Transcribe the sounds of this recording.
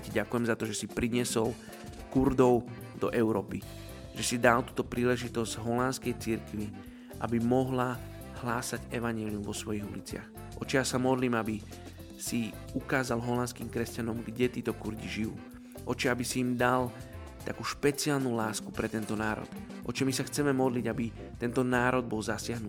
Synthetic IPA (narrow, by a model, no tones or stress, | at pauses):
ciɟakujɛmzat̪ɔʒɛsipɾiɲɪɛsɔl | kuɾd̪ɔʊ | d̪̥ɔ̰ʔɛʊɾɔːpi | ʒɛsid̪alt̪uːt̪ɔpɾiːlɛʒit̪ɔzɟɦɔlanskɛjt͡siɾkʋi | ʔa̰bimɔɦla | hlaːsaɟɛʋaɲɪɛliumʋɔsʋɔjiɣṵlit͡sɪa̰x | ʔɔ̰t͡ʃijaːsamɔd̪liːmabi | si | ukaːzalɦɔlanskiːmkɾɛscanɔmɡɟɛt̪iːt̪ɔkuɾɟiʒiṵː | ʔɔt͡ʃɛabisiːmd̪al | t̪akuːʃpɛt͡siaːlnulaːsku̥pɾɛt̪ɛnt̪ɔnaːɾɔ̰t̪ʔɔt͡ʃɔmisaxt͡sɛmɛmɔd̪liɟabit̪ɛnt̪ɔnaːɾɔd̪̚bɔlzasɪaɦnui